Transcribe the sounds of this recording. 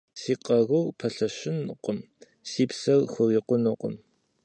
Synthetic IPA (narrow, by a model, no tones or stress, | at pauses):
siːqʼɐʁʊwpʰɐɬɐɕɪnqʷʼʊm | siːpsɐrxʷʊriːqʷʼʊnuqʷʊ̰m